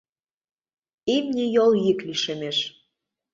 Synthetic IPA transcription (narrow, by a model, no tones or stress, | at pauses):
emnʲejoljikliʃemeʃ